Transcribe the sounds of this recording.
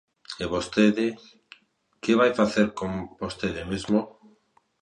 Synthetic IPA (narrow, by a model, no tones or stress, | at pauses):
eβost̪eðɪ | keβajfaθeɾkõmbost̪eðɪmezmo